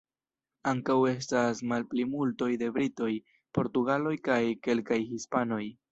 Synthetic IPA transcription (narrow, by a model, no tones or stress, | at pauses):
aŋkawe̞s̬tasmalplimulto̞jde̞bɾito̞j | po̞ɾtuɡalo̞jkajke̞lkajhispano̞j